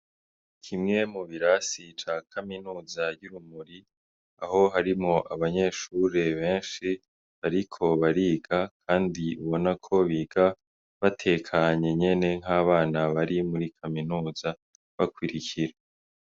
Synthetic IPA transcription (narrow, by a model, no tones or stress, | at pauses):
kʰimŋe̞muβiɾasit͡ʃakʰaminuːzaɟuɾumuɾi | aɦo̞ɦaɾimŋoʔaβaɲe̞ːʃuːɾe̞βe̞ːnʃi | βaɾikʰo̞βaɾiːɡakʰaːndiuβo̞nakʰo̞βiːɡ̥a | βatʰe̞ːkʰaɲe̞ɲe̞ne̞ŋ̥ɦaːβaːnaβaɾimuɾikʰaminuːza | βakwiɾicʰiɾa